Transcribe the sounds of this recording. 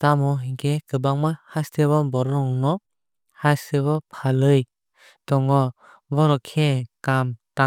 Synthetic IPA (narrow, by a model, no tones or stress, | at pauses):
tamɔɦikekɯbaŋmahasteβɔbɔɾɔɔŋnɔ | haseβɔpʰalɯj | d̥ɔŋɔ | bɔɾɔkʰekamta